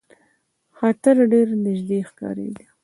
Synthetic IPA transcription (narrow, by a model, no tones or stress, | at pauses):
xɑt̪ɪɾɖeɾnɪʒd̪exkɑ̰ɾḛd̪i